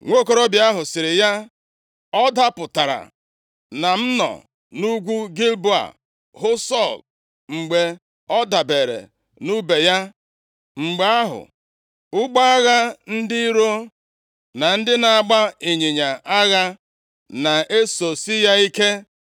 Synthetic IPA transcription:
ŋʷo˦˨ko˨ɾo˦bja˦ɦʊ˨sɪ˨ɾɪ˨ja˦ | ɔ˦da˦pʊ˨ta˨ɾa̰˨ | na˨m̩˦nɔ̰˨ | nu˦ɡʷu˦ɡi˦lbu˦a̰˨ | ɦʊ˦sɔ˦˨l | ŋ͡m̩˨ɡ͡be˨ | ɔ˦da˨be˨ɾḛ˨ | nu˦be˨ja˦ | ŋ͡m̩˨ɡ͡be˨a˦ɦʊ̰˨ | ʊ˦ɡ͡ba˦a˦ɣa˦n̩˦dɪ˦i˦ɾo˦ | na˨n̩˦dɪ˦na˨a˨ɡ͡ba˦e˨ɲe˨ɲa˨a˦ɣa˦ | na˨e˦so˨si˦ja˦i˦ke˦

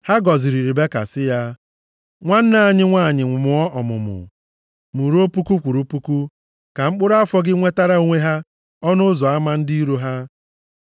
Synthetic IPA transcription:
ha˦ɡɔ˨zi˨ɾi˨ɾi˨be˦ka̰˨sɪ˦ja˦ | ŋʷa˦n̩˦na˨a˨ɲɪ˦ŋʷaː˦˨ɲɪ˨ŋʷʊ˨mʊ˨ɔ˦ʔɔ˨mʊ̰˨mʊ̰˨ | mu˨ɾu˦o˦pu˦ku˦kʷu˨ɾu˦pu˦ku˦ | ka˨ŋ͡m̩˦k͡pʊ˦ɾa˦fɔ˦ɡɪ˦ŋʷe˦ta˦ɾa˦o˦ŋʷe˦ɦa˦ | ɔ˦nʊ˦zɔ˨a˦ma˦n̩˦di˦i˦ɾo˦ɦa˦

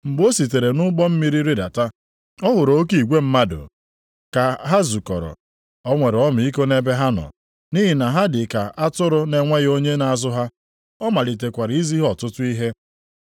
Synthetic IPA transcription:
m̩˨ɡ͡bo˦si˨t̬e˨ɾe˨nʊ˦ɡ͡bɔ˦m̩˦mi˦ɾi˦ɾɪ˦da̰˨ta˦ | ɔ˦ɦʊ˨ɾo˦k̬i˨ɡʷe˦m̩˦ma˦do̰˨ | ka˨ɦa˦zu˨kɔ̰˨ɾɔ̰˨ | ɔ˦ŋʷe˨ɾɔ˦mʊ˨i˦ko˦ne˦be˦ɦa˦nɔ̰˨ | ni˦ɦi˨na˨ɦa˦dɪ˨ka˨ʔa˦tʊ˦ɾʊ˦ne˨ŋʷa˦ɣo˦ɲe˦na˨a˨zʊ˦ɦa˦ | ɔ˦ma˨li˨t̬e˨kʷa˨ɾɪ˨i˦zi˦ɦɔ˨tʊ˦tʊ˦i˦ɦe˦

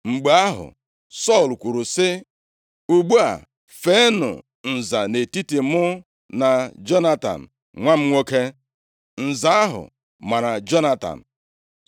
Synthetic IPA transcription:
ŋ͡m̩˨ɡ͡ba˦ɦʊ̰˨ | sɔ˦˨lkʷu˨ɾu˨sɪ˦ | u˨ɡ͡bu˦a̰˨ | fe˨˦nʊ̰˨ | n̩˨za˨ne˨ti˦ti˨mʊ˦ | na˨d͡ʒɔ˦na˦ta̰˨n̩˨ | ŋʷa˦m̩˦ŋʷo˦ke˦ | n̩˨za˨˦a˦ɦʊ̰˨ | ma˨ɾa˨d͡ʒɔ˦na˦ta̰˨n̩˨

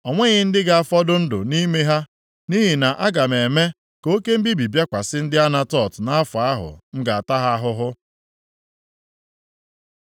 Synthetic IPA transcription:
ɔ˨ŋʷe˦ɣɪ˦n̩˦dɪ˦ɡa˨a˦fɔ˦dʊ˦n̩˦dʊ̰˨ni˦me˦ɦa˦ | ni˦ɦi˨na˨ʔa˦ɡa˨me˨me˦ | ko˦ke˦m̩˦bi˦bi˨bja˦kʷa˨sɪ˦n̩˦dɪ˦a˦na˦tɔ˦˨tna˦a˦fa˨a˦ɦʊ̰˨ŋ̩˦ɡa˨a˨ta˦ɦa˦a˦ɦʊ˦ɦʊ˦

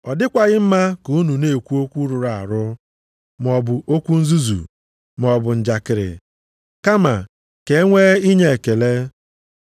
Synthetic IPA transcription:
ɔ˨dɪ˦kʷa˨ɣɪ˦m̩˦ma˦ku˨u˦nu˨ne˨kʷu˦o˦kʷu˦ɾu˨ɾa˨ɾʊ˦ | m˨ɔ˨bʊ˨o˦kʷu˦n̩˦zu˦zṵ˨ | m˨ɔ˨bʊ˨n̩˨d͡ʒa˨kɪ˨ɾɪ̰˨ | ka˦ma˨ | ke˨e˦ŋʷe˦i˦ɲe˦e˨ke˨le˦

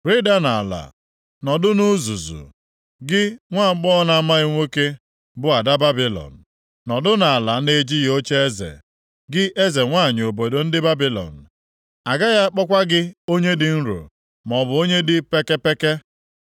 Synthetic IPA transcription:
ɾi˦da˦na˨a̰˨la̰˨ | nɔ˨dʊ˦nu˦zu˨zṵ˨ | ɡɪ˦ŋʷa˦˨˦k͡pɔ˦ɔ˦na˨a˦ma˦ɪ˦ŋʷe˦ke˦ | bʊ˦a˨da˦ba˦bi˦lɔ̰˨n̩˨ | nɔ˨dʊ˦na˨a˨la˨ne˦d͡ʒi˦jo˦t͡ʃe˦e˦zḛ˨ | ɡɪ˦ʔe˦ze˨ŋʷa˦˨ɲ˨o˨bo˨do˨n̩˦dɪ˦ba˦bi˦lɔ̰˨n̩˨ | a˨ɡa˦ja˦k͡pɔ˦kʷa˦ɡɪ˦o˦ɲe˦dɪ˨n̩˦ɾṵ˨ | m˨ɔ˨bʊ˨o˦ɲe˦dɪ˦pe˦ke˦pe˦ke˦

